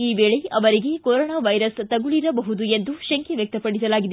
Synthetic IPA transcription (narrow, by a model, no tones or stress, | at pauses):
iːbeːɭeɐʋɐɾiɡe̞koɾoːɳaːʋɐjɾɐst̪ɐɡuɭiɾɐbɐɦud̪ue̞nd̪uʃɐŋkʰeʋjɐk̚t̪ɐpɐɽisɐlaːɡid̪e